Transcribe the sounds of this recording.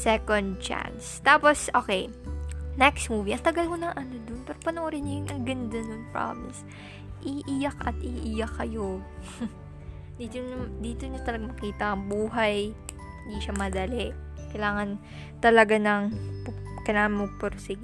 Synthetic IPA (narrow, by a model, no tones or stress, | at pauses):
sɛkond̪̚t͡ʃa̰nst̪aːposʔoːkɛj | nɛkst̪muːviʔɐŋt̪ɐɡɐlkonɐŋʔɐnod̪onpɛːɾopɐnoʔɾɪnːɐjʊnʔɐŋɡɐnd̪ɐnonpɹa̰mɪs | ʔiʔijɐkɐt̪ʔɪʔijɐkːɐjo | d̪iːt̪oɲd̪iːt̪oɲot̪ɐlɐɡamɐkiːt̪ɐʔɐŋbuːɦɐj | hɪnd̪iʃɐmɐd̪ɐlɛʔ | kɐjlaːŋɐn | t̪ɐlɐɡanɐŋpkɐjlaːŋɐnmɐpoɾsɪɡ